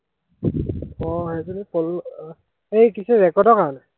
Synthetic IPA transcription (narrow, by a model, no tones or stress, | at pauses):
ɔhɛzɔnipɔl | ejkisuɹɛkɔdɔkaɹɔnɛ